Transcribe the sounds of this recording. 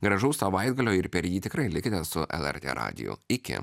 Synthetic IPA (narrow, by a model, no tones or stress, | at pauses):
ɡɾɐʒɐʊsɐʋɐɪd̪ɡɐlʲoːɪɾpʲɛɾjiːt̪ʲɪkɾɐɪlʲɪkʲɪnʲɛssʊʔɛ̰lˠɛ̰ɾʲt̪ʲḛːɾɑ̰ːd̪ʲɪ̰jʊ̰ɪkʲɪ̰